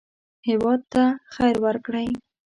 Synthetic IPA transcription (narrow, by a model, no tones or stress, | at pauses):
hɪwɑd̪̚t̪axajɾwəɾkɽaj